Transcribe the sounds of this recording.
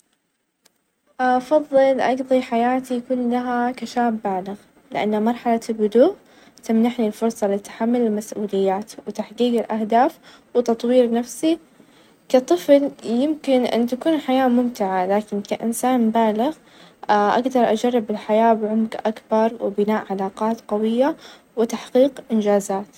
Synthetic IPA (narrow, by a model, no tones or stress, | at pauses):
ʔfɑðˤːɨlʔɑɡðˤiħajaːt̪ijakuːnlaɦakaʃaːbːaːlɪɣ | lɪʔa̰nːamɑɾˤħalalbʊd̪uːʔ | t̪amnaħnilfʊɾsˤɑlɪt̪ḁħamːʊlɪlmasʔuːlɪjːaːt̪wɪt̪aħqiːɡɪlʔahd̪aːf | wɪt̪ɑt̪ˤwiːɾnafsi | kat̪ˤɨfljɪmkɪnʔɪ̰nt̪akuːnħajaːmʊmt̪ɪʕalaːkɪnkaʔɪ̰nsaːnbaːlɪɣ | ʔa̰ɡd̪ɑɾˤʔad͡ʒarˤːɪbɪlħajaːbʕʊmɡʔakbɑɾˤwɪbɪnaːʔʕalɑːqɑːt̪qɑwɪjːa | wɪt̪aħqiːqʔɪnd͡ʒaːzaːt̪